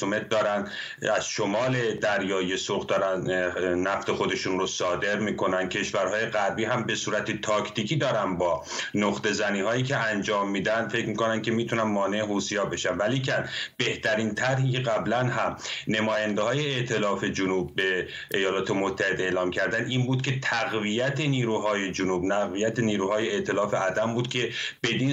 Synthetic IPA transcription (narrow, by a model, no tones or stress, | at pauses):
omet̪̚d̪ɒːɾænd̪ | æz̥ʃo̞mɒːle̞d̪æɾjɒːjijesoɣd̪ɒːɾænnæft̪e̞xo̞d̪e̞ʃunrosɒːd̪e̞ɾmiːkʰo̞nænd̪̥̚cʰe̞ʃvæɾɦɒːje̞ɣæɾbiːɦæmbe̞suːɾæt̪ʰet̪ʰɒːcʰt̪iːcʰiːd̪ɒːɾænbɒː | noχt̪e̞zæniːɦɒːjiːcʰe̞ænd͡ʒɒːmːiːd̪ænd̪fe̞cʰmikonænd̪kʲʰe̞miːt̪ʰunænmɒːneeɦuːsijɒːbe̞ʃænvæliːcʰænb̥e̞ht̪ʰæɾiːnt̪ʰæɾɦiːcʰe̞ɣæblænɦæmne̞mɒːjænd̪ehɒːjeeʔt̪ʰe̞lɒːfe̞d͡ʒonuːb̚ːe̞ | ʔejɒːlɒːt̪ʰe̞mot̪ʰːæhe̞d̪eeːlɒːmcʰæɾd̪ænd̪iːnbuːd̪̥̚cʲʰe̞t̪ʰæɣvijæt̪ʰeniːɾuːɦɒːje̞d͡ʒonuːbnæɣvijæt̪ʰeniːɾuːhɒːjeet̪ʰe̞lɒːfe̞ʔæd̪æmbuːd̪̚cʲʰe̞b̥e̞d̪iː